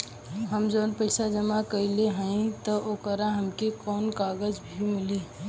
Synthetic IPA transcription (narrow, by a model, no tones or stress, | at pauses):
ɦəmd͡ʒoːnpəɪsad͡ʒəmakəileɦə̃ĩt̪ɔʔokəɾaɦɐmkekɔːnkaːɡəd͡ʒbʱimɪlĩ